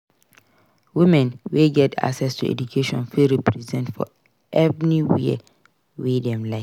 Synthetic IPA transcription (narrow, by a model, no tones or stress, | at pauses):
wimɛ̃nweɡɛtʰa̰ksɛstʰuɛ̰d͡ʒukʰeʃɔ̰̃nfiɹipʰɹizɛ̃ntfɔ̰ | ʔɛvɹiwḭ | widɛ̃mlaɪ